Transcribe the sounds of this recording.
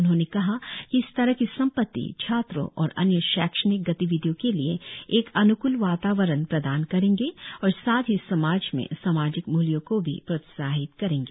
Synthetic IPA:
ʊnɦõːnekɐɦakiɪst̪ɐɾəɦkisɐ̃mpət̪ːḭt͡ʃʰaːt̪ɾõ̰ʔɔ̰ːɾɐ̰njəʃaːkʃənɪk̚ɡɐt̪iʋɪd̪ʱjõkelieeːkɐnʊkʊlʋaːt̪aːʋəɾənpɾɐd̪aːnkɐɾẽːŋɡeɔːɾsaːt̪ɦisɐmaːd͡ʒmḛ̃saːmaːd͡ʒɪkmuljõkobʱḭpɾɐt̪saːɦɪt̪kɐɾẽːŋɡeː

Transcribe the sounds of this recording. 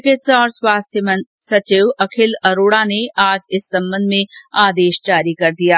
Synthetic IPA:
kɪtsɔːɾswaːst̪ʰjəmə̃n | sɐt͡ʃɪʋɐkʰɪlɐɾoːɽaneaːd͡ʒɪsːɐ̃mbə̃nd̪ʱmẽaːd̪eːʃd͡ʒaːɾikɐɾd̪ijaː

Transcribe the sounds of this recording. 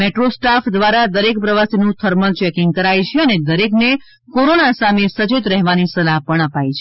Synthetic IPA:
meʈɾosʈafʰd̪ʋaɾad̪əɾek̚pɾəʋasinũt̪ʰəɾməlt͡ʃɛkiŋɡ̚kəɾajt͡ʃʰeəned̪əɾekne | koɾonasamesət͡ʃit̪ɾɛɦʋanisəlaɦpəɳəpajt͡ʃʰe

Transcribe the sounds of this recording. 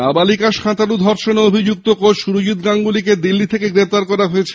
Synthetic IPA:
abalikaʃkʰãt̪anud̪ʱɔɾʃoneobʱid͡ʑuk̚t̪okoʃuɾud͡ʑit̪̚ɡaŋɡuliked̪ilːit̪ʰekeɡɾep̚t̪aɾkɔɾaɦoet͡ɕʰe̥

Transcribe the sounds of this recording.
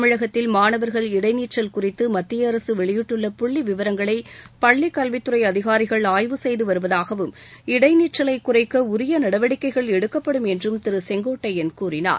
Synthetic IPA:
ɐmɪɻɐɣɐt̪ːɪlmaːnɐʋɐɾɣɐɭɪɽɐɪniːʈrɐlkʊrɪt̪ːɯmɐt̪ːɪjɐːɾɐsɯʋɛɭɪjɪʈːɯɭːɐpʊɭːiʋɪʋɐɾɐŋɡɐɭɐɪpɐɭːikːɐlʋɪt̪ːɯɾɐɪɐðɪɣaːɾɪɣɐɭaːjʋɯsɛjðɯʋɐɾɯʋɐðaːɣɐʋɯm | ɪɽɐɪniːʈrɐlɐɪkːʊrɐɪkːɐʊɾɪjɐnɐɽɐʋɐɽɪkːɐɪɣɐɭɛɽɯkːɐpːɐɽɯmɛndrɯmt̪ɪɾɯsɛŋɡoːʈːɐjɪnkuːrɪna̰ːɾ

